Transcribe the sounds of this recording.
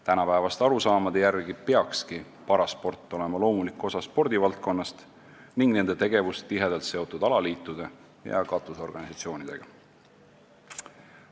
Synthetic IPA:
t̪ænɑpæevɑst̪ɑɾusɑːmɑd̪̥ejærɡipe̞ɑkski | pɑɾɑspo̞rt̪ˑːo̞le̞mɑlo̞ːmulikˑːo̞sɑspo̞rd̪̥ivɑlt̪̚ko̞nːɑst̪ | niŋɡ̥ne̞nd̪̥e̞t̪e̞ɡ̥e̞vust̪t̪ːiɦe̞d̪elt̪se̞o̞t̪ːˑud̪ɑlɑliːt̪ːˑud̪̥e̞ | jɑ̰kɑt̪ːˑuso̞rɡ̥ɑnisɑt̪sio̞ːnid̪̥e̞̰ɡ̥ɑ

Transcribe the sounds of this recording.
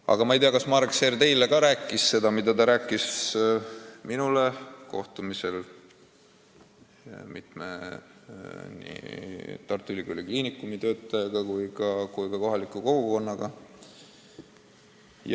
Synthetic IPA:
ɑ̰ɡ̥ɑmɑejt̪eɑkɑsmɑɾekseːrt̪e̞jle̞kɑɾæːkːˑisse̞d̪̥ɑmid̪̥ɑt̪ɑɾæːkːˑis | minule̞ko̞̰ht̪umise̞l | mit̪me | nḭt̪ɑrt̪ːˑylikolikliːnikːˑumit̪ø̞ːt̪ːˑɑjɑɡ̥ɑkujɡɑkujkɑko̞ɦɑlikˑːuko̞ɡ̥uko̞nːɑɡ̥ɑ | j

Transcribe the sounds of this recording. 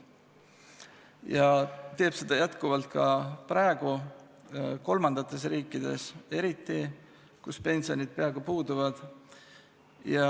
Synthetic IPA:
jɑt̪e̞ːb̥se̞d̪̥ɑjæt̪kuvɑlt̪̚ˑkɑpɾæeɡ̥u | ko̞lmɑnd̪̥ɑt̪ːˑe̞s̬riːkːid̪̥e̞̰se̞ɾit̪ːi | kuspe̞nʲsio̞nʲid̪̥̚peɑeɡupuːd̪uvɑd̪̥ | jɑ

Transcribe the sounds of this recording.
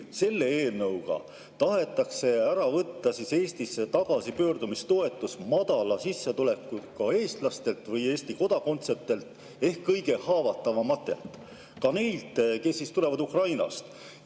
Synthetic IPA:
se̞lːe̞eːlnɤwɡ̥ɑ̰ | t̪ɑɦe̞t̪ːˑɑkse̞æɾɑvɤt̪ːɑsise̞ːst̪isːet̪ɑɡ̥ɑsipø̞ːrd̪umist̪o̞e̞t̪ːˑusmɑd̪̥ɑlɑsisːet̪ule̞kːˑut̪kɑe̞ːst̪lɑst̪e̞lt̪ˑvɤje̞ːst̪iko̞d̪̥ɑko̞nt̪se̞t̪e̞lt̪ | e̞hkːɤjɡe̞hɑːvɑt̪ːˑɑvɑmɑt̪ːˑḛlt̪ˑ | kɑne̞jlt̪ke̞sːist̪ule̞vɑd̪ukrɑjnɑ̰st̪

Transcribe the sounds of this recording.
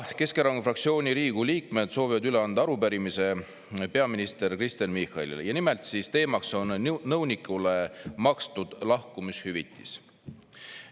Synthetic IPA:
ke̞skeɾɑŋufrɑkt̪sio̞ːnʲiɾiːɡ̥uliːkme̞d̪̥soːvivɑd̪yleɑnd̪̥ɑɑɾupæɾimise̞ | pe̞ɑminist̪e̞ɾkrist̪enmihˑɑlḭlejɑnimelt̪sist̪e̞ːmɑkso̞nːɤwnikːˑule̞mɑkst̪ud̪̥lɑhkumishyvit̪ːˑi̥̰s

